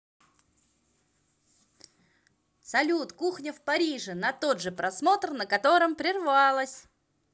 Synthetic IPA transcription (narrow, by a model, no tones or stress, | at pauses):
sɐlʲut̪kuxnʲɪfpɐɾʲiʐɨnɐt̪o̞d̪ʐɨpɾɐsmo̞t̪rnəkɐt̪o̞ɾɨmpɾʲɪrvɑlˠəsʲ